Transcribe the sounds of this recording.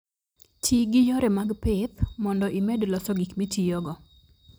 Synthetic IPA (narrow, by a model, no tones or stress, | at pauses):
tiɡɪjɔɾɛmaɡpɪt̪mɔndɔʔimɛdlɔsɔɡikmetijɔɡɔ